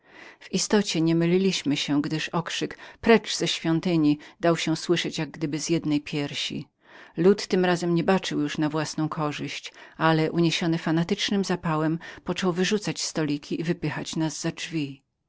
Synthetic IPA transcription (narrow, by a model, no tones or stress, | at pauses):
vist̪ɔt͡ɕɛɲɛmɘlʲilʲiɕmɘɕɛɡd̪ɘʂɔkʂɘkpɾɛʐz̥ɛɕfʲjɔnt̪ɘɲid̪awɕɛswɘʂɛt͡ɕjaɡ̚ɡd̪ɘbɘzjɛd̪nɛjpʲjɛɾɕḭ | lut̪ːɘmɾazɛmɲɛbat͡ʂɘwjuʂnavwasnɔ̃w̃kʰɔʐɘɕt͡ɕalɛʔuɲeɕɔnɘfanat̪ɘt͡ʂnɘmzapawɛmpɔt͡ʂɔwvɘʐut̪sat͡ɕst̪ɔlʲikʲʰiʔivɘpɘxat͡ɕnazːad͡ʐvʲi